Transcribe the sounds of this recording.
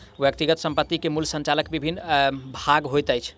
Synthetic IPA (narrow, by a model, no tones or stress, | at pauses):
ʋjək̚t̪iɡət̪səmpət̪ːikemulsə̃nt͡ʃaləkbibʱinːbʱaɡɦojt̪əjt͡ʃʰ